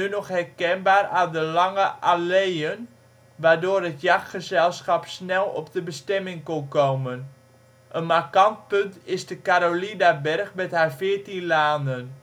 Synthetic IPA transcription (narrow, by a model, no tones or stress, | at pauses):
nynɔχhɛrkɛnbaːradəlɑŋəʔalejən | ʋaːɹdoːɾətjaxχəzɛlˠsxapsnɛlˠɔ̰p̚dəbəstɛmɪŋkɔnkoːmən | ʔənmarkant̚pɵntɪzdəkaɾolinabɛrxmɛthaɹfɪərtinlaːndən